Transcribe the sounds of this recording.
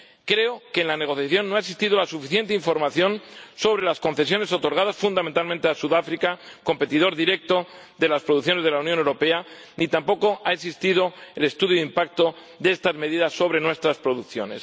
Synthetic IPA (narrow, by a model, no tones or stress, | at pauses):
kɾe̞oke̞ːnlane̞ɣ̞o̞θjaθjo̞nːoaeks̬ist̪iðolasufiθje̞nt̪eiɱfo̞ɾmaθjo̞nso̞β̞ɾe̞lasko̞nθe̞s̬jo̞ne̞so̞t̪o̞ɾɣ̞að̞asfund̪ament̪almẽnt̪easuðafɾikako̞mpe̞t̪iðo̞ɾðiɾe̞k̚t̪o̞ | ðe̞laspɾo̞ðuθjo̞ne̞zðelaunjõnewɾo̞pe̞a | nit̪ampo̞ko̞aeks̬ist̪ið̞o̞ele̞st̪uðjoimpak̚t̪o̞ | ðeest̪azme̞ðiðasːo̞βɾe̞nwe̞st̪ɾaspɾoðukθjo̞̰ne̞̰s